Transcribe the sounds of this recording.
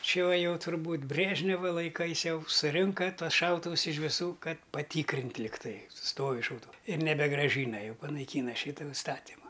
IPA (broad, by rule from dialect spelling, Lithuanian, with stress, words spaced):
ˈt͡ʃʲɪ uɔ ˈjɛʊ tʊrˈbuːt ˈbʲrʲeːʒʲnʲɛʋɐ lˠɐɪˈkɐɪs ˈjɛʊ sʊˈrʲɪŋkɐ ˈtuɔs ˈʃɐʊtʊʋʊs ɪʃ ʋʲɪˈsuː ˈkɐt pɐˈtʲiːkrʲɪnt lʲɪkˈtɐɪ ˈstoːʋʲɪ ʃɐʊˈtʊʋuː ɪr nʲɛbʲɛɡrɐˈʒʲiːnɐ ˈjɛʊ pɐnɐɪˈkʲiːnɐ ˈʃʲiːtʊ ɪˈstɑːtʲɪmʊ